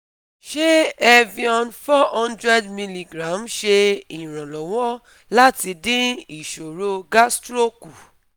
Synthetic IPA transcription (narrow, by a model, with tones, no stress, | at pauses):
ʃe˦ɛ˦vi˧ɔ̃˧nfɔ˦hɔ̃˦ndɾɛ˦dmi˧li˨ɡɾã˨˦mʃe˧ĩ˨ɾ̃ã˨lɔ˨w̃ɔ˦ | la˦ti˧dĩ˦i˨ʃo˨ɾo˧ɡa˦stɾo˦ku˨